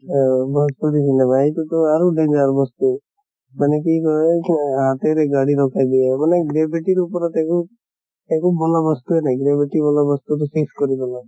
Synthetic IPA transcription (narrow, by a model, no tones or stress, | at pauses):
bʱɔspuɾisinɛmaɦejt̪ut̪ɔaɾuɖend͡ʒaɾbɔst̪u | manek̬ikɔeɦat̪eɾeɡaɽiɾɔkʰajd̪iɛmanɛɡɾebʱiʈiɾupɔɾɔt̪ɛku | ekubɔlabɔst̪uɦɛnajɡɾebiʈibɔlabɔst̪utɔseskɔɾibɔlaɡ